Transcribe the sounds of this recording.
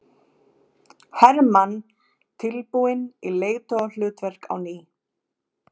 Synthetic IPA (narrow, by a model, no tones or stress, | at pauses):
hɛɾman | t̪ʰɪlpuɪnileːjt̪ɔl̥ʏːt̪vɛr̥ka̰wniː